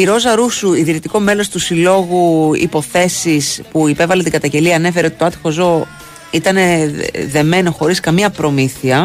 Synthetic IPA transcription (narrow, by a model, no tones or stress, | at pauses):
iɾo̞zɐɾusuiðiɾit̪iko̞me̞lo̞st̪usilo̞ɣuḭpo̞θe̞sispuipe̞vɐlet̪iŋɡɐt̪ɐɲɟe̞liɐːne̞fe̞ɾeo̞t̪it̪oɐt̪i̥xo̞zo̞ | it̪ɐne̞ðe̞me̞no̞xo̞ɾiskɐmiɐpɾo̞miθiɐ